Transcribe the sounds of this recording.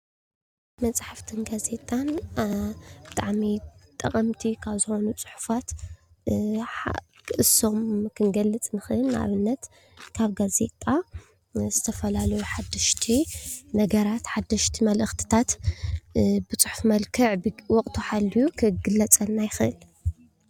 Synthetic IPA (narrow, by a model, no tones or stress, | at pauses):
mɐt͡sʼaħaft̪ʰɨnɡaze̞t̪ʼan | bɨt̪ʼaʕmit̪ʼɐχʼɐmt̪ʰikʰaβzɨxo̞nut͡sʼʊ̥ħu̥fat̪ | kʰɨʔɨso̞mkʰɨnɡɐlːɨt͡sʼnɨxɨʔɨnːaʔa̰βɨnːɐt̪ | kʰaβɡaze̞t̪ʼa | zɨt̪ʰɐfɐlalɐjuħad̪ːɐʃt̪ʰinɐɡɐɾat̪ħad̪ːɐʃt̪ʰimɐlʔɨxt̪ʰɨ̥t̪ʰat̪ | bɨt͡sʼʊħufmɐlkʰɨʕbwɔkʼt̪ʰuħalːijukʰɨɡɨlːɐt͡sʼɐnːajɪxɨʔɨl